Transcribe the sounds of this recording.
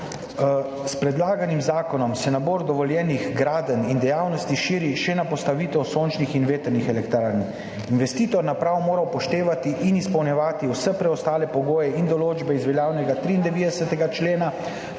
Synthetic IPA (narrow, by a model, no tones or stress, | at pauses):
spɾɛd̪laːɡanimzaːkɔnɔmsɛnaboːɾd̪ɔʋɔljɛːniɣɡɾaːd̪ənind̪ɛjaːwnɔst̪iʃiːɾiʃɛnapɔst̪aʋiːt̪ɛwsoːnt͡ʃnixinʋeːt̪əɾnixɛlɛkt̪ɾaːɾni | inʋɛst̪iːt̪ɔɾnapɾawmoːɾawpɔʃt̪eːʋat̪iʔinispɔwnjɛʋaːt̪iwsɛpɾɛɔst̪aːlɛpɔɡoːjɛind̪ɔloːd͡ʒbɛizʋɛljaːwnɛɡat̪ɾiːnd̪ɛʋiːd̪ɛsɛt̪ɛɡat͡ʃleːna